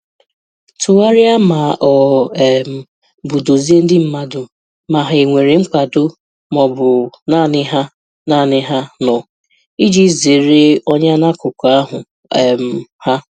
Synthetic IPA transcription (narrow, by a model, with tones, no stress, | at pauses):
tʰʊ˨wa˦ɾɪ˦a˦ma˨ʔɔ˨m˨ | bʊ˨do˨zi˦e˦n̩˦dɪ˦m̩˨ma˦dʊ˨ | ma˨ɦa˨i˨ŋʷe˨ɾe˨ŋ͡m̩˦kʷa˨dʊ˦ | mɔ˨bʊ˨na˦˨nɪ˦ɦa˦ | na˦˨nɪ˦ɦa˦nɔ˨ | i˦d͡ʒi˦ze˨ɾe˦ɔ˦ɲa˦na˦kʊ˨kʷa˦ɦʊ˨ | m̩˨ha˦